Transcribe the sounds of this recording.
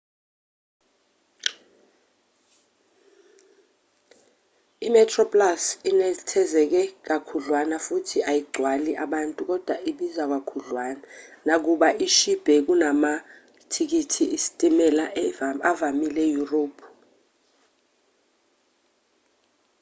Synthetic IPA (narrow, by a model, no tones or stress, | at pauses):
imɛtʰrɔpʼlasinɛtʰɛzɛk̬ɛk̬akʰuɮwanafutʰiʔajiɡ͡ǀʱwaliʔaɓantʼuk̬ɔd̥ʱwaʔiɓizak̬akʰuɮwananak̬uɓaʔiʃib̥ʱɛk̬unama | tʰik̬itʰiisi̥tʼimɛlaavamilɛjuroːpʰu̥